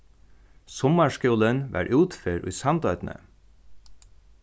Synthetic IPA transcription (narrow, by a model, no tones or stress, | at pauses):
sɔmɑʂkuːlənʋæ̰ːɹʔʉːt̪feːɾʔʊ̰jsɑnt̪œʏt̪nə̰